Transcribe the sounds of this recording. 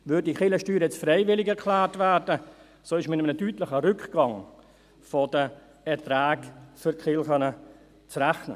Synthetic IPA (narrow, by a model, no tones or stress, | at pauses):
ʋʏdiχɪləʃtyːɾjɛt͡sfɾɛɪvɪlɪkɛɾkʰlæːɾtvæːɾdə | soːɪʃmɪmənətyːtləχəɾʏkɡ̥ɑŋ | fodə | ɛtræːkfʏɾtχɪlχœnə | t͡sræχnə̰